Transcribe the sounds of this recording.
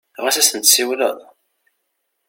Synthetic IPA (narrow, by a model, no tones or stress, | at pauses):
ʁæsæsənt̪siwlə̰ðˤ